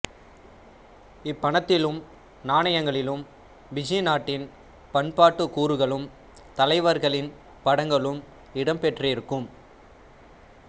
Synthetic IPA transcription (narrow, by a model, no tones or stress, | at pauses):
ɪpːɐɳɐt̪ːɪlɯm | naːɳɐjɐŋɡɐɭɪlɯm | ʋɪd͡ʒɐjnaːʈːɪn | pɐɳpaːʈːɯkuːɾɯɣɐɭɯm | t̪ɐlɐɪʋɐɾɣɐɭɪn | pɐɽɐŋɡɐɭɯm | ɪɽɐmpɛʈrɪɾɯkːɯm